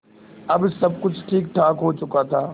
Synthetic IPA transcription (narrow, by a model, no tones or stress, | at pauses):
ɐbsɐb̚kʊd͡ʒʱʈʰiːkʈʰaːkɦoːt͡ʃʊkat̪ʰaː